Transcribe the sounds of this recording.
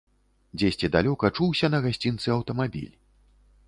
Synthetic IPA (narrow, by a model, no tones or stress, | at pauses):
d͡zʲesʲt͡sʲid̪alʲɔkɐt͡ʂuwsʲɐnɐɣasʲt͡sʲint̪sɨɐwt̪ɐmabʲḭlʲ